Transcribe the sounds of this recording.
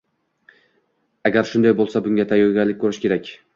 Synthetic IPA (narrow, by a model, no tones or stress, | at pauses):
aɡʲaɾʃʊnd̪ajbolˠsabʊŋɡʲat̪ʰajːɒɾɡʲaɾlɪkʲkʰːɵɾɪʃkʰʲe̞ɾakʲ